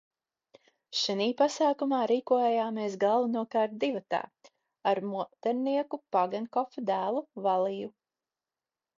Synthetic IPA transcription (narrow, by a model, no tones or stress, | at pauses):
ʃɛniːpasaːkumaːɾiːkuɔjɛjaːmiːsɡalˠvanuɔkaːɾt̪̚d̪ivat̪a̰ː | aɾmut̪ɛɾniɛkupaɡɛnkɔfd̪æːlˠuvalˠiju